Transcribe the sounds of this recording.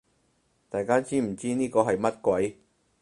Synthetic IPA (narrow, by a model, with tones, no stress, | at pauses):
t̪aː˨jkaː˥t͡siː˥m̩˨˩t͡siː˥niː˥kɔː˧ɦɐ˨jmɐ˥t̚kwɐ˨˥j